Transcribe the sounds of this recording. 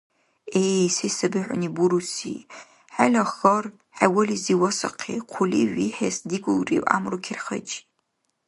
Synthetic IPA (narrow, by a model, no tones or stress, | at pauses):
esisabɨʕʷa̰nibuɾusḭ | ħalaχar | ħawaliziwasaqʰḭqʷʰʊlḭʒʷᶣiħasdiɡʷʼʊlrḭwa̰mrukʲʰɪrχə̰t͡ʃʼ